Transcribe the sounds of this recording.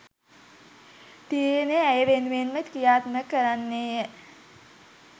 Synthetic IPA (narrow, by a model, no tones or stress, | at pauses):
t̪ieneæjəʋenʋenmət̪kijaːt̪nəkːəɾanːeːjə